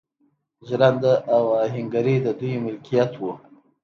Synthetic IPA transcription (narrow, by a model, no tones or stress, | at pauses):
ʒɾand̪aʔawaɦɪŋɡaɾid̪əd̪ujmɪlkijat̪wu